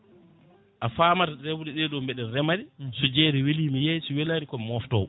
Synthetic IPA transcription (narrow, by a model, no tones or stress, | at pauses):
ʔafaːmatadɛwuɗɛɗɛɗɔmbɛɗɛnrɛmaɾisud͡ʒɛɾiwiliːmijɛsuwɛlanikɔmmɔftɔ̰